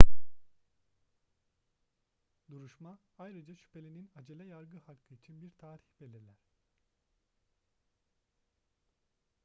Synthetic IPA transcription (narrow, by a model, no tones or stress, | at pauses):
d̪uɾuʃmaajɾɯd͡ʒaʃy̥pʰe̞lʲininad͡ʒelʲɛjaɾɡɯhakʰːɯit͡ʃʰinbiɾt̪ʰaːɾiçbe̞lʲiɾlʲæɾ̥